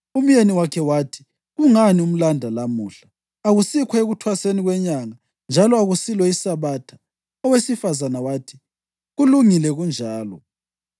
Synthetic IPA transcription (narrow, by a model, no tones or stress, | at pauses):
um̩jeniwakʰɛwatʰi̥ | ɣuŋanium̩landʱalamuːɬa | aɣusikʰwaeɣutʰwaseniɣwɛɲaŋa | nd͡ʒʱalɔaɣusilwɛisaβatʰḁ | ɔwesifazanawaːtʰi̥ | ɣuluŋilɛɣund͡ʒʱaːlɔ̰